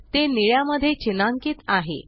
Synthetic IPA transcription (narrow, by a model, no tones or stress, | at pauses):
t̪eniɭjaməd̪ʱːjet͡ɕinaŋkiːt̪aɦḛ